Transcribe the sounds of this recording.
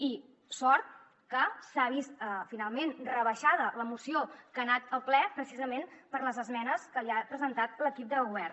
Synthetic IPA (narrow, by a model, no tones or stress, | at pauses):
i | sɔɾt̪̚ | kəsaβist̪əfinalˠmenrəβəʃað̞ələmusiokanat̪əlˠplɛpɾəsizəmenpəɾləzəzmɛnəskəliapɾəzənt̪at̪ləkip̚d̪əlˠɣuβɛr